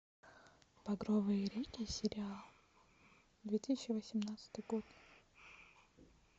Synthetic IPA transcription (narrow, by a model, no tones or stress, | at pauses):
pɐɡɾovɨjəɾʲekʲɪsʲɪɾʲɪalˠ | d̪vʲet̪isʲɪt͡ɕːɪvəsʲɪmnat̪sɨ̥t̪ɨjɡot̪